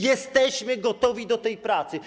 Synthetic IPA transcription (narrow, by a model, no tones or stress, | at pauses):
jɛst̪ɛɕmɘɡɔt̪ɔvʲid̪ɔt̪ɛjpɾat̪sɘ